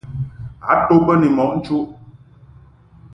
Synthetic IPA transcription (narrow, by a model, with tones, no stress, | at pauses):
a̰˨˦to˦pə˦ni˨mɔ˨ʔn̩˦t͡ʃu˦ʔ